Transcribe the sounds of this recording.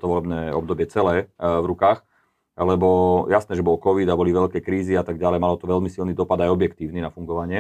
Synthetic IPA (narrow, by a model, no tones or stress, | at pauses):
t̪ɔʋɔlɛbnɛːɔb̚d̪ɔbɪɛt͡sɛlɛːvɾukaːx | lɛbɔjasnɛːʒɛbɔlɔkɔʋid̪abɔliʋɛʎkɛkɾiːziat̪aɡɟalɛjmalɔt̪ɔʋɛʎmisilnid̪ɔpad̪ajɔbjɛkt̪iːʊninafuŋɡɔʋaɲɪɛ